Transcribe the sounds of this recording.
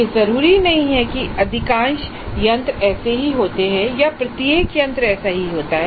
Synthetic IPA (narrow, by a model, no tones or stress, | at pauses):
jezɐɾuːɾinɐɦĩɦɛkiɐd̪ʱɪkãːnʃ | jɐ̃nt̪ɾɛːseɦiɦoːt̪eɦɛ̃japɾɐt̪jeːkjɐ̃nt̪ɾɛːsaɦiɦoːt̪aɦɛ